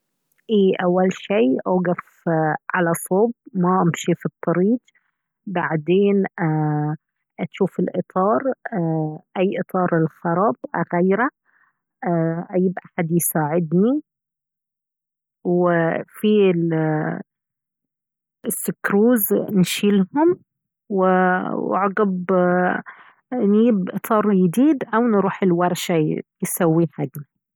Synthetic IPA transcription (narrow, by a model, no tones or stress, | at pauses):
ʔeːʔawːalʃiːʔaɡaf | ʕalasˤoːbmaʔɪmʃifit̪ˤːɑɾiːd͡ʒ | baʕd̪eːnʔa | ʔaʃuːfɪlʔɨt̪ˤʰɑːɾˤ | ʔajːʔɨt̪ˤɑːɾˤɪlxɑɾˤɑbʔaɣajɾa | ʔajɪbʔaħad̪jsaːʕɪd̪ni | wɪfil | ɪsːɪkɾuːznʃiːlhʊm | wɪwʕɑɡɑb | njiːbʔɨt̪ʰɑːɾˤjɪd̪iːd̪ʔawnɾuːħɪlwɑɾˤʃajɪsawːiħaɡna